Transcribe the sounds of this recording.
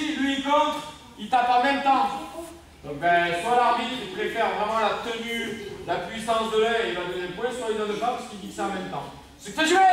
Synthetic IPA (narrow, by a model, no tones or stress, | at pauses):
lɥikɔ̃t̪χ | ilt̪apamɛ̃mt̪ɑ̃ | d̪ɔ̃k̚bɛ̃swalaʁbit̪χit̪əvɛfɛʁvʁɛmɑ̃lat̪ənylapɥisɑ̃sd̪əlɛelad̪ɔnɛ̃pwɛ̃swaid̪ãd̪əpãpaskilvit̪samɛ̃mt̪ɑ̃ | səkt̪aʒvɛ